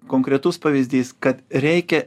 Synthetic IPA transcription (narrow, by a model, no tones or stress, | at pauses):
koːŋkɾʲɛt̪ʊspɐʋʲiːzʲd̪ʲiːskɐt̪ɾʲɛɪkʲɛ